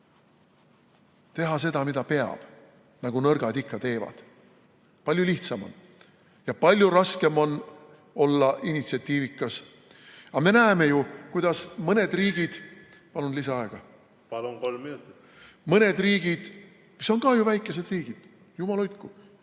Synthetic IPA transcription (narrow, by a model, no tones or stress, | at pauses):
t̪e̞ɦɑs̬e̞d̪ɑmid̪ɑpe̞ɑ̰b̥ | nɑɡ̥unɤrɡ̥ɑd̪ikːɑt̪e̞ːvɑ̰d̪̥ | pɑlʲjuliht̪sɑmo̰n | jɑpɑlʲjuɾɑske̞mo̞n | o̞lːɑʔinʲit̪siɑt̪ʲːˑiːvikːˑɑs | ɑme̞næeme̞jukujd̪̥ɑsmɤne̞d̪riːɡ̥id̪̥ | pɑlunlisɑɑe̞ɡ̥ɑ | pɑlupolminut̪i̥ | mɤne̞d̪riːɡ̥id̪̥ | miso̞nkɑjuvæjkːˑe̞se̞d̪̥riːɡ̥id̪̥ | jumɑlyt̪kːu